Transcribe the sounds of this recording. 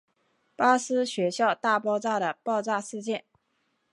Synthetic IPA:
pa˥sɹ̩˥ɕɥɛ˧˥ɕjɑ˥˧ʊt̪a˥˧pɑ˥˧ʊt͡sa˥˩d̪ə˩pɑ˥˧ʊt͡sa˥˧ʂɹ̩˥˧t͡ɕjɛ˥˩n

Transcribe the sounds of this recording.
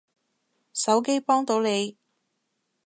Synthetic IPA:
sɐ˨˥wke˥jpɔː˥ŋt̪o˨˧wne˨˧j

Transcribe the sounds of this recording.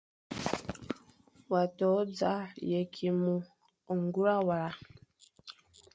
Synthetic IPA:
wa˨tɔ˨˦d͡za˦jɛ˨kʰi˨mu˨ | o˨ŋɡu˦ɾa˦wa˨ɾa˨

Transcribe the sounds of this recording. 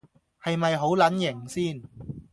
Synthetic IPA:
hɐ˨jmɐ˨jɦo˨˥wlɐ˨˥njɪ˨˩ŋsiː˥˩n

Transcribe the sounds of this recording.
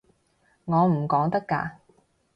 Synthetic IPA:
ŋɔː˨˧m̩˨˩kɔː˨˥ŋt̪ɐ˥kːa̰ː˧

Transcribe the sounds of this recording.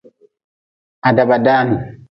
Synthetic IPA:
ʔa˨da˨ba˨daː˦nu˨

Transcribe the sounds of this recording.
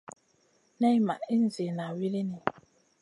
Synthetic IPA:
nɛ˦jma˨ʔi˦n̩˨zi˨na˨wi˦li˦ni˨

